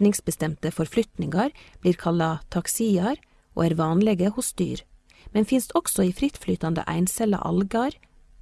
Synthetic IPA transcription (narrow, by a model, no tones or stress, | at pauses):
nɪŋsbəst̪ɛmt̪əfɔɾflʏt̪nɪŋɑɾb̥liːɾkʰɑlɑt̪ʰɑksiːɑɾ | ʔo̰ːæːɾʋɑːnlɛɡəhʊst̪y̰ːɾ | mɛnfɪnst̪ɔksɔiːfɾɪt̪flyːt̪ɑnd̪ə̰ʔæ̰ɪnsɛlɑ̰ʔɑ̰lɡɑɾ